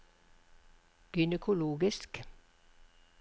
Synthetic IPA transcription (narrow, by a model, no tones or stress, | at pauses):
ɡ̥ʏnəkʰʊloːɡɪsk